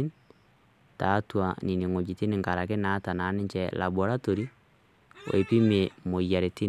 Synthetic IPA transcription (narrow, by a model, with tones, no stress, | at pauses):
n | ta˨˦twa˨ni˨ni˨ŋo˨d͡ʒi˨ti˦ni˨ŋɡa˨ɾa˨ke˦na˦ta˨na˨˦nɪ˦ɲt͡ʃɛla̰˨bo˨ɾa˦to˨ɾi˦ | o̰˨e˨pi˦me˨mo˨ja˨ɾe˨ti˦